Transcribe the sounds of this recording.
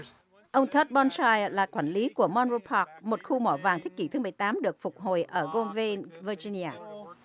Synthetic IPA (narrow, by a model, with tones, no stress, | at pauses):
ʔə˧wŋ͡mt̪ʰə˦˥t̚ɓɔ˧nsaː˧jlaː˨˩kwaː˧˩nli˨˦ku˧˩əmɔ˧nɹo˧pʰɔ˦˥k̚mo˨˩t̚xu˧mɔ˧˩vaː˨˩ŋt̪ʰi˦˥k̟̚ki˧˩t̪ʰɨ˨˦mɨ˨˩əjt̪aː˨˦mɗɨ˨˩ək̚fʊ˨˩k͡p̚ɦo˨˩jʔəː˧˩ɣo˧nve˧nvəː˧zi˧ni˧aː˧